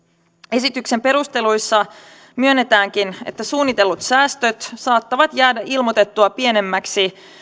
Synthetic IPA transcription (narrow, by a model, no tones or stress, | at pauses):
e̞sit̪ykse̞mpe̞ɾust̪e̞lujsːɑ | myø̞nːe̞t̪æːŋk̟ine̞̰t̪ːæsuːnːit̪e̞lːut̪sæːst̪ø̞t̪sɑːt̪ːɑʋɑt̪jæːdæʔilmot̪e̞t̪ːuɑpie̞ne̞mːæksi